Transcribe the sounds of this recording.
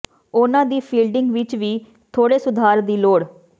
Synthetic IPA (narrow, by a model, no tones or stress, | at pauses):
ʊnãːd̪iːpʰiːlɖɪŋɡʋɪt͡ʃʋiː | t̪ʰoːɽeːsʊd̪ʱaːɾd̪iːloːɽ